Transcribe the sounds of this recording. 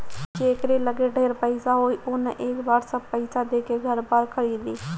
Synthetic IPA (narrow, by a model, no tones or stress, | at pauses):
t͡ʃeːkɾeːləɡeɖʱeːɾpəɪsaɦoːiːʔʊnʔeːkbaːɾsəb̚pəɪsaːd̪eːkeɡʱəɾbaːɾkʰəɽiːd̪iː